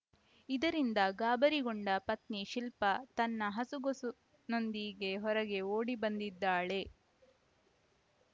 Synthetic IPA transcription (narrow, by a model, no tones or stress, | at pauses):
id̪ɐɾind̪ɐɡaːbɐɾiɡoɳɖɐpɐt̪niʃilpɐt̪ɐnːɐɦɐsuɡosu | no̞nd̪iɡe̞ɦɔɾɐɡe̞oːɽibɐnd̪id̪ːaːɭe̞